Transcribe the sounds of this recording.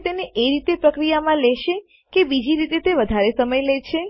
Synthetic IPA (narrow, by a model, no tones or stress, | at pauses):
t̪eneʔeɾit̪epɾəkɾijamãlɛʃe | kebid͡ʒiɾit̪et̪eʋəd̪ʱaɾesəməjlɛt͡ʃʰe